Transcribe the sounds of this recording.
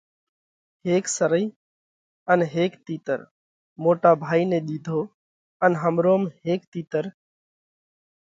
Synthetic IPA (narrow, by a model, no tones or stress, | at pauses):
heːksəɾəiː | ənɦeːkt̪iːt̪ə̰ɾ | moːʈaːbʱaːiːnẽːɗ̪iːd̪ʱoː | ənɦəmɾoːmɦeːkt̪iːt̪əɾ